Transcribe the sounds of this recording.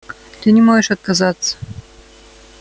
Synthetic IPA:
t̪ɨnʲɪmoʒɪʃɐt̪̚kɐzɑt̪sə̥

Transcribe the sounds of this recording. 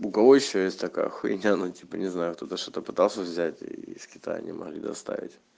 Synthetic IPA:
bʊkɐvojɪɕːojesʲtʲt̪ɐkajə̰xʊɪnʲanutʲipənʲɪznajʊkt̪ot̪əʂt̪ot̪əpɨt̪ɑlˠsʲəvzʲætʲisʲkʲɪ̥t̪a̰jə̰nʲɪ̰mɐ̰ɣlʲid̪ɐ̰st̪a̰vʲɪ̰tʲ

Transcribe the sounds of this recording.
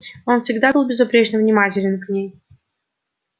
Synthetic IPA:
o̞nfsʲɪɡd̪abɨlˠbʲɪzʊpɾʲet͡ɕnəvnʲɪmatʲɪlʲɪnknʲej

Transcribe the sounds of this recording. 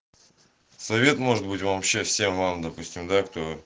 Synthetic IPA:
sɐvʲe̞t̪mo̞ʐɨt̪̚bɨtʲvɐːpɕːe̞fsʲe̞mvamd̪ɐpusʲtʲɪmd̪akt̪o̞

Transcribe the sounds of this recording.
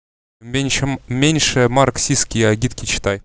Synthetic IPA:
mʲenʲmʲenʲʂɘmarksʲiskʲijaɡʲit̪kʲit͡ɕt̪ɑj

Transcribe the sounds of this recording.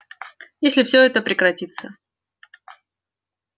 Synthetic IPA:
jesʲlʲɪfsʲɵɛt̪əpɾʲɪkɾɐtʲit̪sə

